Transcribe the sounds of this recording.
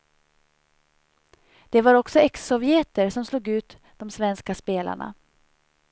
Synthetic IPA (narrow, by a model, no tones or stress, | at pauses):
d̪̥ɛvaɾɔksɔɛksːɔvɪeːt̪əɾʂɔmsluːɡʉ̟ːt̪ | d̪̥ɔmsvɛnskaspeːlʔa̰ɳa̰